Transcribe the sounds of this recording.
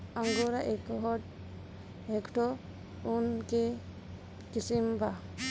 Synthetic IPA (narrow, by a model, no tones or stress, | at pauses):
aŋɡuɾaʔɛkɔɦɔʈ | hɛkʈɔ | unkɛ | kisimba